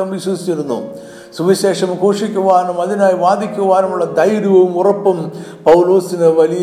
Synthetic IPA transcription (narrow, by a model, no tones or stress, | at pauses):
ɐmʋiɕwɐd̪it͡ɕːiɾunːṵ | suʋiɕe̞ːʂɐmkoːʂikʲːuʋaːnumɐðinaːjiʋaːd̪ikʲːuʋaːnɐmuɭːɐd̪ɐjɾuʋɐʋumurɐpːumpɐwlo̞ːsinɨʋɐlij